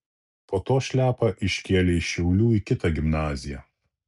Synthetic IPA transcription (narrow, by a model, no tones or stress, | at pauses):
poːt̪oːʃʲlʲæːpɐʔɪʃʲkʲeːlʲeɪʃʲɛʊlʲuːikʲɪt̪ɐɡʲɪmnɑːzʲɪjæː